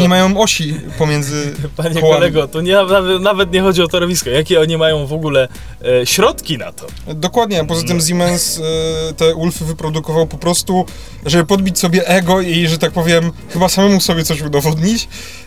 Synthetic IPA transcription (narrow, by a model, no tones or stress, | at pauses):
ɲɛmajɔ̃w̃ɔɕipɔmʲjɛnd̪zɘpaɲɛkɔalɛɡɔt̪ɔɲɛnavɛnavɛt̪̬ɲɛxɔd͡ʑiɔt̪aɾɔvʲiskɔjakʲɛɔɲimajɔ̃w̃vɔɡulɛ | ɕɾɔt̪kʲina̰t̪ʰɔ | d̪ɔkwad̪ɲɛapɔzat̪ɘmzʲimɛnst̪ɛulfɘvɘpɾɔd̪ukɔvawpɔpɾɔst̪u | ʐɛbɘpɔd̪̚bʲit͡ɕʲsɔbʲjɛʔɛɡɔiʐɛt̪ak̚pɔvʲjɛmxɘbasamɛmusɔbʲjɛt̪sɔɕud̪ɔvɔd̪ɲit͡ɕ